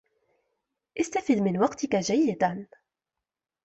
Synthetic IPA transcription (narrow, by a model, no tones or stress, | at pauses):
ʔɪst̪afid̪mɪnwɑqt̪ɪkaʒæjːɪd̪an